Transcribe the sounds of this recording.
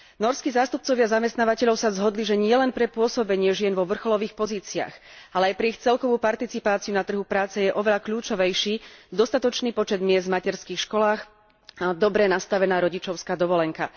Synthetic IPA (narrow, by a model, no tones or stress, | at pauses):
nɔɾskiːzaːst̪up̚t͡sɔʋɪazamɛst̪naːʋacɛʎɔʊsazɦɔd̪liʒɛɲɪɛlɛnpɾɛpʊɔsɔbɛɲɪɛʒɪɛnʋɔʋr̩xɔlɔʋiːxpɔziːt͡sia̰xalɛajpɾɛixt͡sɛlkɔʋuːpaɾt̪it͡sipaːt͡siunat̪r̩ɦupɾaːt͡sɛjɛʔɔʋɛʎakʎuːt͡ʃɔʋɛjʃiːd̪ɔst̪at̪ɔt͡ʃniːpɔt͡ʃɛd̪mɪɛzd̪macɛɾskiːxʃkɔlaːx | ad̪ɔbɾɛnast̪aʋɛnaːɾɔɟit͡ʃɔʊskaːd̪ɔʋɔlɛŋka